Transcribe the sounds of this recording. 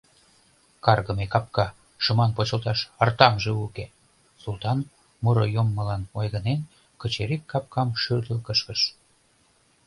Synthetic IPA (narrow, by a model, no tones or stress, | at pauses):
kɑrɣəmekɑp̚kɑ | ʃə̆mɑnpot͡ɕə̆lt̪ɑʃərt̪ɑmʒeuke | sult̪ɑn | muɾojomːəlɑnojɣənen | kə̆t͡ɕeɾekːɑp̚kɑmʃyrd̪əlkəʃkəʃ